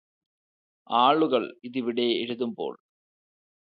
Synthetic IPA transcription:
aːɭuɣɐɭiðiʋiɽeeɻuðɯmbo̰ːɭ

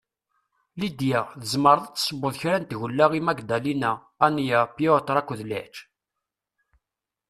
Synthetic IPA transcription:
lid̪jæʁðəzməɾðət͡sːsˤəbːʊðçɾænt̪ʝəlːæʁimæɡd̪ælinæ | ænjæpjot̪ɾˤækʷːðlæ̰ħt͡ʃ

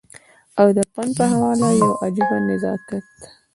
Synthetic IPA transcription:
awd̪əpanpəɦawɑlajawʔad͡ʒibamɪzɑ̰kat̪

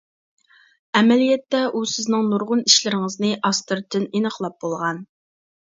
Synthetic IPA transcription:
ɛmɛlijɛt̪ːɛʔusɪznɨŋnuɾʁʊniʃlɪɾɪŋəznɨʔɑst̪ɨɾt̪ʰɪnenəχlˠɑp̚bolˠʁɑn

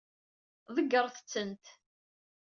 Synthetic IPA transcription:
ðəɡːəɾˤθət͡sːənt̪

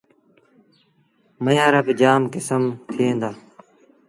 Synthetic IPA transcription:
məjaːɾəkd͡ʒaːmkɪsəmt̪ʰɪẽːnd̪aː

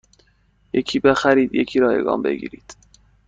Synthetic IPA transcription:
jecʰiːbexæɾiːd̪jecʰiːɾɒːjḛɡɒ̰ːmbe̞̰ɡḭːɾiːd̪̥

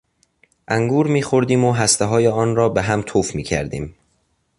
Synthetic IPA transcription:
ʔæŋɡuːɾmiːxo̞ɾd̪iːmoɦæst̪eɦɒːjeɒːnɾɒːbeɦæmt̪ʰoːfmḭːcʰæ̰ɾd̪ḭːm

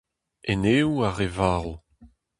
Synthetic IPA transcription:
eneːuaʁevaːʁl

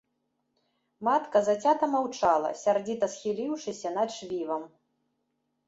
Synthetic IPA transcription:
mat̪kɐzat͡sʲat̪ɐmawt͡ʂalˠɐ̰sʲard͡zʲit̪ɐsxʲilʲiwʂɨsʲɐnɐd̪ʂvʲivɐm

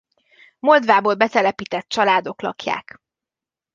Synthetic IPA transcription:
mo̞ld̪vaːboːlbɛt̪ɛlɛpiːt̪ɛt̪̚t͡ʃɒlaːd̪o̞klɒ̰kja̰ːk

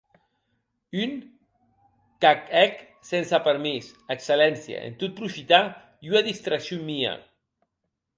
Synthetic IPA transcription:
yŋ | kakɛk | sensapeɾmis | ekselɛnsja̰ʔḛnt̪ut̪̚pɾufit̪a | junaðist̪ɾaksjomia̰

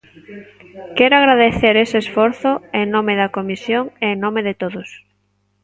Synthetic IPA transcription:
kɛɾoaɣɾaðeθeɾeseːsfɔɾθʊeŋnõmeðɐkomisjoŋeŋnõmeðɪt̪oðʊs

